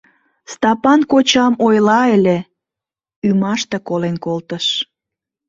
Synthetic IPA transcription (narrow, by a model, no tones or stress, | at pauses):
st̪ɑpɑnkot͡ɕɑmojlɑele | ymɑʃt̪ekolenkolt̪əʃ